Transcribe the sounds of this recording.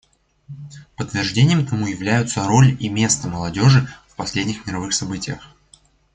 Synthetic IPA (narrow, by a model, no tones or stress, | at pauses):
pət̪ːvʲɪrʐdʲenʲɪjəmt̪ɐmujɪvlʲæjʊt̪səɾo̞lʲimʲe̞st̪əməlˠɐdʲo̞ʐɨfpɐsʲlʲedʲnʲɪxmʲɪɾɐvɨxsɐbɨtʲɪjə̰x